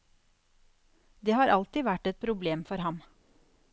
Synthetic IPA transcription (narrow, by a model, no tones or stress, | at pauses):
d̪eːhɑːɾʔɑlt̪ɪːʋæʈɛt̪̚pʰɾʊbleːmfɔɾhɑm